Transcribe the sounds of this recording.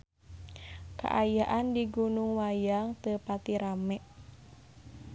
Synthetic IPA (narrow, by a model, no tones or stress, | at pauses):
ka̰ʔajaʔandiɡunuŋwajaŋt̪əpat̪iɾamɛʔ